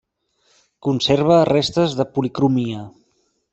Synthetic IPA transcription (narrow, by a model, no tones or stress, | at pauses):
kunseɾβ̞ərest̪əzðəpulikɾumiə